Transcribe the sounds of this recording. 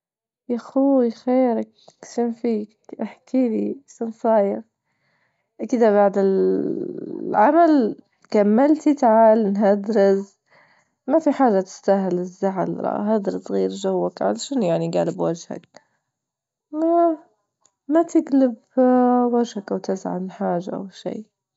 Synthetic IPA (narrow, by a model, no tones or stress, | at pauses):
jaxuixeːɾakʃɪnfiːkʔaħkʰiliʃansˤɑːjɪq | ʔkɪd̪abaʕd̪ɪl | ʕamal | kamːalt̪it̪aʕaːlnɦad̪ɾɪz | mafiħaːʒat̪ɪ̥st̪aɦɪlɪzːaʕɪ̰lɾˤɑ̰ɦad̪ɾɨzɣiːɾd͡ʒawːakʕa̰laʃanjaʕniɡa̰ːlɪbwad͡ʒha̰k̚ | ma | mat̪ɪɡlɪb | wad͡ʒhakawt̪ɪzʕa̰mħaːʒa̰ʔa̰wʃḭː